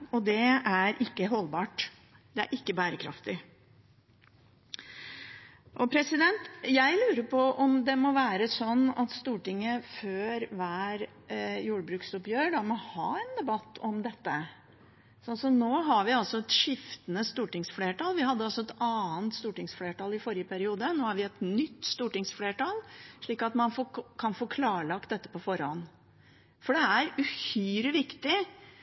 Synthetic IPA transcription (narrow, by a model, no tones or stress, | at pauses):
ɔd̪ɛæɾʔɪkːəɦɔlbɑːʈ | d̪ɛæ̰ɾʔɪkːəbæːɾəkʰɾɑ̰ft̪ɪ | ʔɔpʰɾɛsɪd̪ɛnt̪jæɪlʉːɾəpʰɔʔɔmd̪ɛmɔʋæːɾəsɔnːɑt̪st̪uːʈɪŋːəføːɾʋæːɾ | juːɽəbɾʉːksɔpjøːɾɖɑmɔhɑ̰ːɛnd̪ɛbɑt̪ːɔmd̪ɛt̪ːə | sɔnsɔnoːɦɑɾʋɪɑlsɔɛt̪ʂɪft̪ənəst̪uːʈɪŋsfleːʈɑːlʋɪɦɑd̪ːəɑlsɔɛt̪ɑːənt̪st̪uːʈɪŋsfleːʈɑːlɪfɔɾɪjəpʰæɾɪuːd̪ənoːhɑɾʋɪɛt̪nʏt̪ːst̪uːʈɪŋsfleːʈɑːlʂɭiːkɑt̪mɑnfokʰɑnfoːkʰlɑːɭɑk̚t̪̚d̪ɛt̪ːə̥pɔfɔɾɔ̰n | fɔɖɛæɾʉhyːɾəʋɪkt̪ɪ